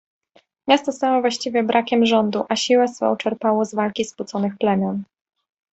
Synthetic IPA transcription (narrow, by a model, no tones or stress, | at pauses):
mʲjast̪ɔst̪awɔvwaɕt͡ɕivʲjɛbɾʔakʲɛmʐɔnd̪uʔaɕiwɛsfɔ̰w̃t͡ʂɛɾpawɔzvalkʲisput̪sɔnɘxplɛmʲjɔn